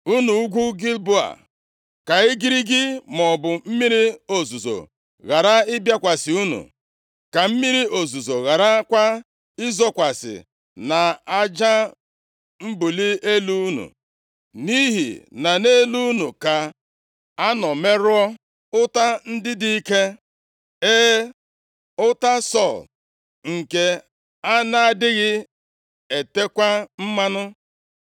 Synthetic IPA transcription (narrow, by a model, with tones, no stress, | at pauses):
u˦nu˨˦ɡʷu˦ɡi˦lbʊ˦a̰˨ | ka˨ɪ˦ɡi˦ɾi˦ɡɪ˦mɔ˨bʊ˨m̩˦mi˦ɾi˦o˨zu˨zo̰˨ | ɣa˨ɾa˦ɪ˦bja˦kʷa˨sɪ˨u˦nṵ˨ | ka˨m̩˦mi˦ɾi˦o˨zu˨zo˨ɣa˨ɾa˦kʷa˦ | ɪ˦zɔ˦kʷa˨sɪ̰˨ | na˨a˦d͡ʒa˦ | m̩˦bu˨li˦e˦lu˦nṵ˨ | ni˦ɦḭ˨na˨ne˦lu˦nu˨ka˨ | a˦nɔ˨me˦ɾʊ˦ɔ˦ | ʊ˦ta˦n̩˦dɪ˦di˦i˦ke˦ | e˦ | ʊ˦ta˦sɔ˦˨l | ŋ̩˨ke˦ | a˦na˦a˦dɪ˦ɣɪ˦ | e˨te˦kʷa˦m̩˦ma˦nʊ˦